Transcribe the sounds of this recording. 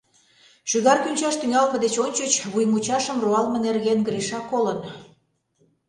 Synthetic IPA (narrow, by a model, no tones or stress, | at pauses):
ʃyɣɑrkynʲt͡ɕɑʃt̪yŋɑlpə̆d̪et͡ɕonʲt͡ɕət͡ɕβujmut͡ɕɑʃəmroɑlmə̆nerɣenɡɾiʃɑkːolə̆n